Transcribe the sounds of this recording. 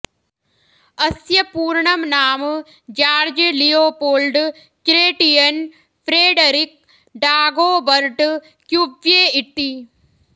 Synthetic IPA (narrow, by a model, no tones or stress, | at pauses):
ɐsjɐpuːɾɳɐmnaːm | d͡ʒaːɾd͡ʒlijoːpoːlɖ | kɾeːʈijɐn | pʰɾeːɖɐɾik̚ | ɖaːɡoːbɐɾʈ | kjubjeːit̪ːi